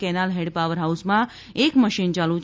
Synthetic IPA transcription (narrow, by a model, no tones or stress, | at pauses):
kɛnalɦeɽɖpaʋəɾɦausmã | ekməʃint͡ʃalu